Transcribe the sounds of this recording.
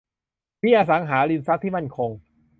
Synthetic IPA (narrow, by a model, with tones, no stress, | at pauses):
pʰiː˥˩ʔaː˧sa˩˦ŋɦaː˩˦ɾi˧nsa˦˥t̪̚ʰːi˥˩ma˥˩nkʰo˧ŋ